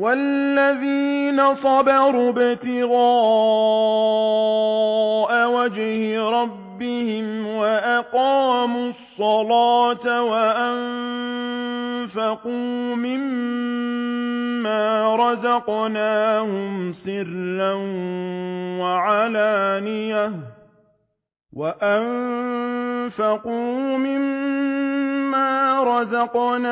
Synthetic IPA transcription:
walːaðiːnasˤɑbɑɾubɪt̪ɪɣɑː | ʔawad͡ʒhɾˤɑbːɪhɪmwaʔaqɑːmusˤːɑlaːt̪awaʔan | fɑquːmɪm | aːɾˤɑzɑqnaːhʊmsɪɾlan | waʕalaːnɪja | waʔan | fɑquːmɪm | aːɾˤɑzɑqna

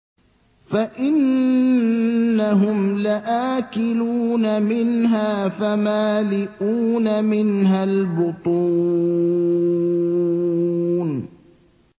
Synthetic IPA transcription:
faʔɪn | aɦʊmlaʔaːkɪluːnamɪnɦaːfamaːlɪʔuːnamɪnɦalbʊt̪ˤu | n

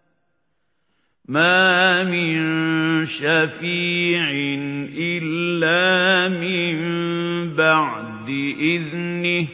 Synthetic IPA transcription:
maːmɪnnʃafiːʕɪnʔɪlːaːmɪmbaʕ | d̪ɪʔɪðnɪ

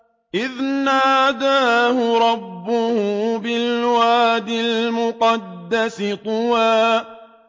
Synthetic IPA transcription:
ʔɪðnaːd̪aːhʊɾˤɑbːʊhʊbɪlwaːd̪ɪlmʊqɑd̪ːasɪt̪ˤʊwaː

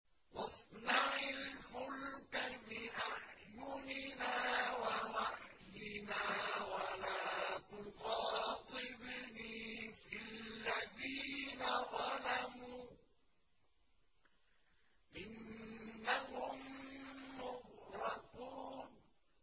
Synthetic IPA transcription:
wɑsˤnaʕɪlfʊlkamɪʔaʕjʊnɪnaːwawaʕjɪnaːwalaːt̪ʊfɑːt̪ˤɨbɪnifɪlːaðiːnaðˤɑlamuː | ʔɪnː | ahʊmː | ʊhɾɑquːn

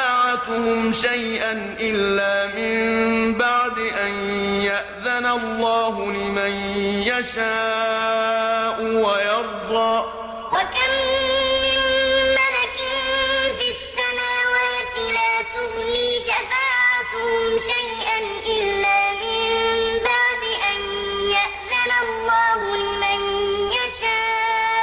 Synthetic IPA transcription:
aːʕat̪ʊhʊmʃajʔanʔɪlːaːmɪmbaʕd̪ɪʔanjaʔðanalːɑːɦʊlɪmanjaʃaː | ʔʊwajɑɾˤd̪ˤɑː | wakamː | ɪnmalakɪnfɪsːanaːwaːt̪ɪlaːt̪ʊɣniːʃafaːʕat̪ʊhʊmʃajʔanʔɪlːaːmɪmbaʕd̪ɪʔan | jaʔðanalˤːɑːɦʊlɪmanjaʃaː

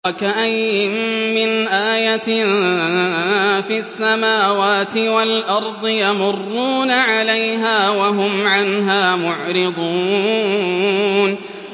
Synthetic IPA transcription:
wakaʔajːɪmːɪnʔaːja | fiasːamaːwaːt̪ɪwalʔɑɾˤd̪ˤɨjamʊrːuːnaʕalajɦaːwaɦʊmʕanɦaːmʊʕɾɪd̪ˤuː | n

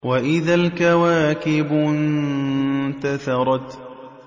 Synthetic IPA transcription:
waʔɪðalkawaːkɪbn | t̪aθɑɾˤɑt̪

